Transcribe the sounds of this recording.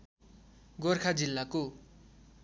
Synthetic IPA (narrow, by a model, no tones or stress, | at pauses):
ɡorkʰad͡zilːako